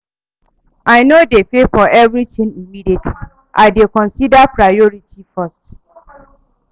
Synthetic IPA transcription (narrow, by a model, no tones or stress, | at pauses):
ʔaɪnodefefɔʔɛvɹitĩnimidietʰlil | ʔaɪdekɔ̃nsidapɹajɔɹitʰifast